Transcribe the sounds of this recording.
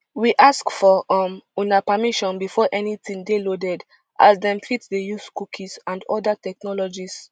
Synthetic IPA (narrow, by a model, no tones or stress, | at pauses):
wiʔaskfɔɔmunapamiʃɔ̃nbifɔʔɛnitĩŋdelodɛd | ʔa̰zdɛ̃mpʰlitdejuskukʰisãndɔ̰datɛk̚nɔlɔd͡ʒis